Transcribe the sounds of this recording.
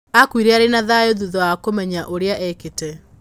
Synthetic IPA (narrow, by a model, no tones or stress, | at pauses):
akwiɾɛaɾenaðaoðuðɔakomɛɲaʔoɾeaʔɛketɛ